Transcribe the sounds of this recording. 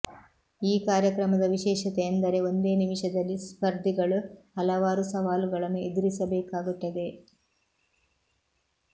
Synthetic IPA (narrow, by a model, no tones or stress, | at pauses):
iːkaːɾjɐkɾɐmɐd̪ɐʋiʃɛːʃɐt̪ejɐnd̪ɐɾe̞o̞nd̪e̞ːnimiʃɐd̪ɐlːispɐɾd̪ʱiɡɐɭuhɐlɐʋaːɾusɐʋaːluɡɐɭɐmued̪iɾisɐbɛːkaːɡuʈːɐd̪e̞